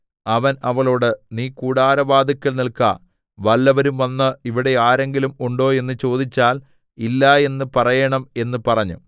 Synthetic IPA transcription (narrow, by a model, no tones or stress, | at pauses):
ɐʋɐnɐʋɐɭo̞ːɽɨniːkuːɽaːɾɐʋaːd̪ɐkʲːɐlnilkɐ̰ | ʋɐlːɐʋɐɾumʋɐnːɨiʋiɽe̞aːɾe̞ŋɡilumuɳɖo̞ːe̞nːɨt͡ɕo̞ːd̪it͡ɕːaːl | ilːaːe̞nːɨpɐrɐjɐɳɐme̞nːɨpɐrɐɲːṵ